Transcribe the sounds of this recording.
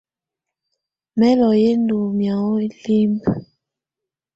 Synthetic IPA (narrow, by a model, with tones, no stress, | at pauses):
mɛ˦lɔ˨je˦ndu˨mja˨ɔ˦li˦mb